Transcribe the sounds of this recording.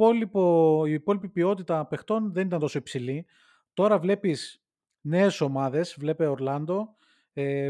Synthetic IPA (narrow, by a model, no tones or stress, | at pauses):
olipoiːpo̞lipipio̞t̪it̪ɐpe̞xt̪o̞nðe̞nit̪ɐnt̪osoipsili | t̪o̞ɾɐvle̞pis | ne̞ːso̞mɐðe̞svle̞pe̞oɾlɐnd̪o̞ | e